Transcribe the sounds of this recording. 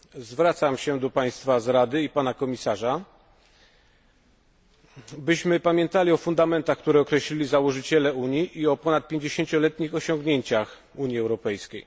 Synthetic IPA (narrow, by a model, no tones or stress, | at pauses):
zvɾat̪samɕɛd̪ɔpaj̃st̪fazɾad̪ɘipanakɔmʲisaʐa | bɘɕmɘpamʲjɛ̃nt̪alʲiɔfund̪amɛnt̪axk̚t̪uɾɛɔkɾɛɕlʲilʲizawɔʐɘt͡ɕɛlɛuɲiʔiɔpɔnat̪̚pʲjeɲd͡ʑeɕeɲt͡ɕɔlɛt̪ɲixɔɕɔ̃ŋɡɲeɲt͡ɕax | uɲjiɛwɾɔpɛjskʲej